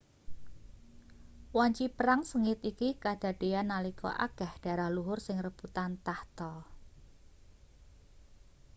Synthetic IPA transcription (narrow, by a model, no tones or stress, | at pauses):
wɔɲt͡ʃipəɾaŋsəŋɪt̪ikikad̥a̤ɖ̥e̤anːalikɔ̰ʔa̰ɡ̥a̤hɖ̥a̤ɾahluɦʊrsɪŋrəbut̪ant̪aht̪ɔ